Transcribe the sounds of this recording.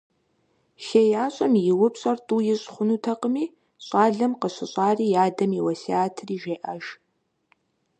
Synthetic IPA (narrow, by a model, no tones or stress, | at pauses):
ʃejaːɕʼɐmjɪwʊpɕʼɐrtʼuːjɪɕʼχʷʊnuːtʰɐqəmiː | ɕʼɑːɮɐmqəɕɪɕʼɑːriːjaːdɐmiwɐsiaːtʰɨriːʒeːʔɐʒ